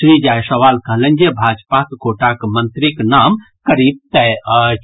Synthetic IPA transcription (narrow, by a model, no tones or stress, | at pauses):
sɾid͡ʒajsəʋalkəɦlend͡ʒebʱad͡ʒpakkoʈakmənt̪ɾiknam | kəɾib̚t̪ɛ